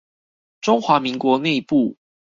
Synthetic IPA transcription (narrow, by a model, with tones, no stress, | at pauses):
ʈ͡ʂʊ˥ŋxwa˧˥mi˨˦ŋkwɔ˧˦ne˥˧ɪpu˥˨